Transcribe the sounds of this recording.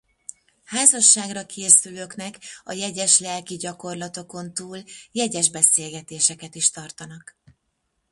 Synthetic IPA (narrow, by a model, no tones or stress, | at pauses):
haːzɒʃːaːɡrɒkʰeːsyløːknɛkɒ̰jɛɟɛʃlɛlkiɟɒko̞rlɒt̪o̞ko̞nt̪uːljɛɟɛʒbɛseːlɡɛt̪eːʃɛkɛt̪iʃt̪ɒrt̪ɒnɒk